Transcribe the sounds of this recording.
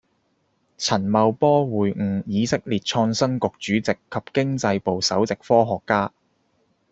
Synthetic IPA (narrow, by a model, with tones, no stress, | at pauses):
t͡sʰɐ˨˩nmɐ˨˧wpɔː˥wuː˨˩jŋ̩˨˧jiː˨˧sɪ˥k̚liː˨t̚t͡ʃʰɔː˧ŋsɐ˥nkʊ˨k̚t͡ʃyː˨˥t͡sɪ˨kʰːɐ˨p̚kɪ˥ŋt͡sɐ˧jpo˨wsɐ˨˥wt͡sɪ˨k̚fɔː˥ɦɔː˨kːaː˥